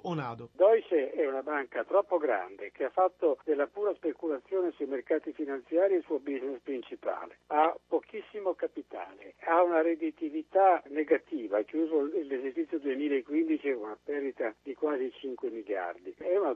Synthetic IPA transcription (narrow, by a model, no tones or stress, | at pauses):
onaːd̪od̪ɔjt͡ʃeɛunabaŋkat̪ɾɔpːoɡɾa̰nd̪ek̟eafːat̪ːod̪elːapuːɾaspekulat̪sːjoːnesuimerkaːt̪ifinant̪sjaːɾielsuobiznespɾint͡ʃipa̰ːleapːokisːimokapit̪a̰ːlḛaunaɾed̪it̪ivit̪aneɡat̪iːvakjuːzolːezert͡ʃit̪sːjod̪uemiːlaekːwind̪it͡ʃiunapɛrd̪it̪ad̪ikwaːzit͡ʃiŋkwemilja̰rd̪iɛuna